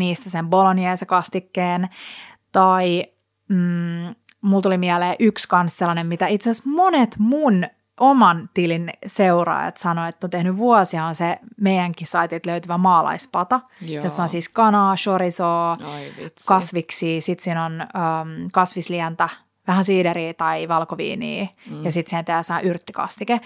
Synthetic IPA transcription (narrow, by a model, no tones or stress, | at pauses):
niːst̪æsemboloniɑjsekɑst̪ikːeːn | t̪ɑiː | mult̪ulimiæleːʔykskɑnsselːɑnemmit̪æit̪seæsmonet̪mun | ʔomɑnt̪ilinseuɾɑ̰ːjɑ̰t̪sɑnoet̪ːont̪ehnyʋuɑsihɑnsemeijæŋkisɑit̪it̪løyt̪yʋæmɑːlɑ̰ispɑt̪ɑ | jossɑɑnsiːskɑnɑːʃoɾisoːikɑsʋiksiːsit̪siːnonəːkɑsʋisliænt̪æ | ʋæhænsiːdeɾiːt̪ɑiʋɑlkoʋḭːnḭːjɑsit̪sihent̪eæːsɑɑʔyrt̪ːikɑ̰stike